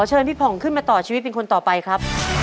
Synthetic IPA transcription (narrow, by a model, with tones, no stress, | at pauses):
t͡ɕʰɤː˧npʰi˦˥˩pʰɔ˩˦ŋkʰɯ˥˩nmaː˧t̪ɔː˨˩t͡ɕʰiː˧w̪̚pe˧nkʰo˧nt̪ɔː˨˩pa˧jkʰɾa˦˥p̚